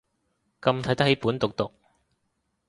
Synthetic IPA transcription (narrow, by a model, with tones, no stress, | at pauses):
kɐ˧mt̪ʰɐ˨˥jt̪ɐ˥khe˨˥jpuː˨˥nt̪ʊ˨k̚t̪ʊ˨k̚